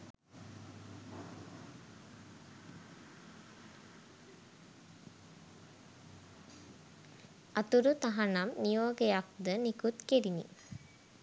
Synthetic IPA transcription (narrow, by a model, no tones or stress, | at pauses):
at̪uɾut̪aɦanamnijoːɡejak̚d̪ənikut̪keɾinḭ